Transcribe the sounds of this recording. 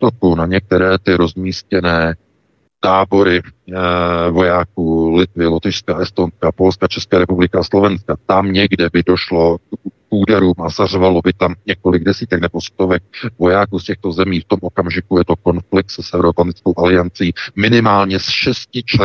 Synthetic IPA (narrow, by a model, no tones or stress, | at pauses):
t̪ok̪unaɲɛk̚t̪ɛɾɛːt̪ɪɾo̞zmiːscɛnɛː | t̪aːbo̞ɾɪ | vo̞jaːkuːlɪt̪vɪlot̪ɪʃskaʔɛst̪o̞nskapo̞lskat͡ʃɛskaːɾɛpublɪkaaslo̞vɛnskat̪amɲɛɡdɛbɪdo̞ʃlo̞kpuːdɛɾuːmʔazarvalo̞bɪt̪amɲɛko̞lɪɡdɛsiːt̪ɛknɛbo̞st̪o̞vɛk̚vo̞jaːkuːscɛxt̪o̞zɛmiːft̪o̞mʔo̞kamʒɪkujɛt̪o̞ko̞nflɪk̚t̪sɛsɛvɾopanɪt͡skowʔalɪant͡siːmɪnɪmaːlɲɛsʃɛscɪt͡ʃɛ